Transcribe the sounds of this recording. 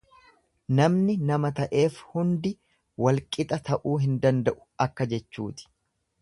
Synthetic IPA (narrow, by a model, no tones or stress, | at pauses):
nɐmnɪnɐmɐt̪ɐʔe̞ːfhʊnd̪ɪ | wɐlkʼɪt̪ʼɐt̪ɐʔuːɦɪnd̪ɐnd̪ɐʔʊ̥ɐkːɐd͡ʒɛt͡ʃːuːt̪ɪ̥